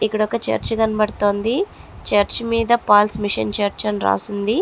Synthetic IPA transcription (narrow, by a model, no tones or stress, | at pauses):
ikːuɽɔkːɐt͡ʃɐ̰ɾt͡ʃɐɡɐnɐbɐɽt̪oːnd̪i | t͡ʃɐɾt͡ʃimiːd̪ɐpaːlsmiʂɐ̰nt͡ʃɐɾt͡ʃɐnɾa̰ːsund̪i